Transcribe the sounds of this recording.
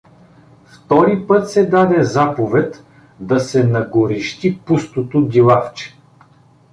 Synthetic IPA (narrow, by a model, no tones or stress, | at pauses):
ft̪ɔɾipɤt̪sɛd̪ad̪ɛzapovɛt̪ | d̪ɐsɛnɐɡoɾiʃt̪ipust̪ot̪od̪ʲilˠaft͡ʃɛ̥